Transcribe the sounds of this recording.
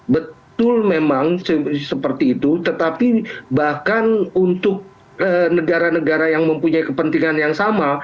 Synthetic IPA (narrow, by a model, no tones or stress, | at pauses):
bət̪ʊlmemaŋsəsəpərt̪iːt̪ut̪ət̪apibahkanunt̪ʊk̚ | ənəɡaɾanəɡaɾajaŋməmpuɲaikəpənt̪iŋanjaŋsama